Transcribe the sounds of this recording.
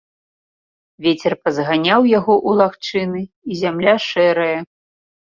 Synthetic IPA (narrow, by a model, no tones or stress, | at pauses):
vʲet͡sʲɛrpɐzɣanʲawjaɣɔʔulˠaxt͡ʂɨnɨ | izʲamlʲaʂɛɾɐjɐ